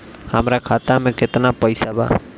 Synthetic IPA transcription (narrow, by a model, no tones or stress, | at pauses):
hamɾakʰaːt̪amẽkɪt̪napəjsaba̰ː